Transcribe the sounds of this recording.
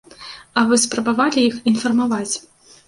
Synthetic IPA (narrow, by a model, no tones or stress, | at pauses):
ɐvɨspɾɐbavalʲijixinfɐrmavat͡sʲ